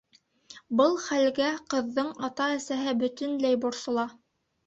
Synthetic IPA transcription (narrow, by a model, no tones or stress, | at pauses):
bɤlˠχælɡæqɤ̆ðːɤɴɑt̪ɑæsæɦɘbɵ̆t̪ɵ̆nlæjbŏɾsŏlˠɑ